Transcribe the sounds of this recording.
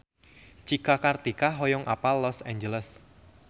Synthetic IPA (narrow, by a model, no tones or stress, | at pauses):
t͡ʃikakart̪ikaɦɔjɔŋʔa̰palɔsaɲd͡ʒələs